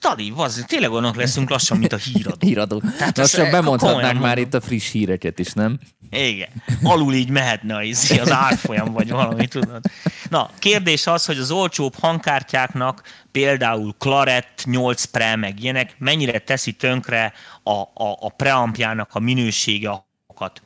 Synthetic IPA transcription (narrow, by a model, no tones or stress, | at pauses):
t̪ɒliɒzt̪eːnlɛɡojnːɒklɛsyŋklɒʃːɒmːint̪ɒhiːɾɒd̪ɾɒd̪oːt̪ɛt͡ʃɒbɛmonk̪oɒtoj̪aːkmaːɾit̪ːɒfriʃhiːɾɛkɛt̪eːʃnɛm | iɡɛ̰nɒluliːɟmɛɦɛt̪nɛɒizeɒzaːrfo̞jɒmɱvɒɟvɒlɒmit̪ud̪ot̪nɒ̰keːrd̪eːʃɒsho̞ɟɒzo̞lt͡ʃoːphɒŋkaːrcaːkn̪ɒkpeːld̪aːulklɒɾɛt̪ːɲo̞lt̪sprɛmɛɡijɛnɛkmɛɲːiɾɛt̪ɛsit̪ø̞ŋkrɛɒʔːprɛɒmpjaːnɒkɒminøːʃeːɡɛɒ | okɒt̪